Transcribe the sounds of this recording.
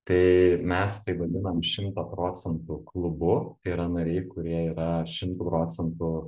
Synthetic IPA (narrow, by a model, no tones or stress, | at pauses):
t̪ɐɪmʲɛspɐɪʋɐd̪ʲɪnɐmʃʲɪmt̪ɐpɾoːt̪sʲɛnt̪ʊklˠʊbʊt̪ɐɪiɾɐnɐɾʲɛɪkʊɾʲiɛiːɾɐʃʲɪmt̪uːpɾoːsʲɛnt̪ʊ